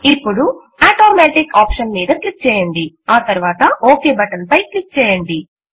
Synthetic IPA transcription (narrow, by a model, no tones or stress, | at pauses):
ipːuɽu | aːʈoːmeːʈikaːpʂɐnmiːd̪ɐklik̚t͡ʃɛːjɐɳɖi | aːt̪ɐɾuʋaːt̪ɐʔoːkeːbɐʈɐnpɐjklik̚t͡ʃɛːjɐɳɖi